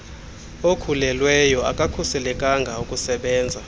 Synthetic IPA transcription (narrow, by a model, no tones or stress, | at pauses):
okʰulɛlwɛjɔa̰kʼakʰusɛlɛkʼaŋɡʱaukʼusɛɓɛːnd͡zʱa